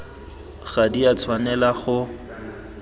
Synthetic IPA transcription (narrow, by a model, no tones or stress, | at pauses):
ɣadiat͡sʰwanɛlaχʊ